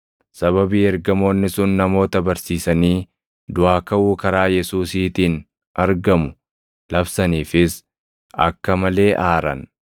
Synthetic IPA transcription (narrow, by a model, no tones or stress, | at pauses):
sɐβɐbiːɛɾɡɐmo̞ːnːɪsʊnːɐmo̞ːt̪ɐbɐɾsiːsɐniː | d̪ʊʔaːkɐʔuːkɐɾaːjɛsuːsiːt̪iːn | ʔɐɾɡɐmʊ | lɐbsɐniːfɪs | ɐ̰kːɐmɐle̞ːʔaːɾɐ̰n